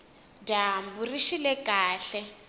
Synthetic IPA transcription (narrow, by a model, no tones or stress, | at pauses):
damburiʃilɛkʼaːɬɛ